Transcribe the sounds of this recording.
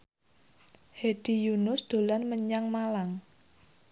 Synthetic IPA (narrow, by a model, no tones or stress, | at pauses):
hed̥ijunʊsd̪̥o̤lanməɲaŋmalaŋ